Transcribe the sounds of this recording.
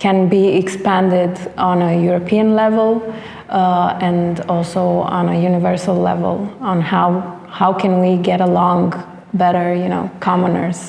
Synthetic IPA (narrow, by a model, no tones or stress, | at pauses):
kʰɨ̃nbiɪkspæ̃ndɪdə̃nəjuɹopʰiə̃nlɛvəlˠ | ɨ̃ndɔlˠsoʊə̰̃nəjunɪvɜɹsəlˠlɛ̰və̰lˠə̃nhaʊ | haʊkʰɨ̃nwiɡɛɾəlɔ̃ŋ | bɛɾə˞juno̰ʊkʰɑmənə̰˞z̥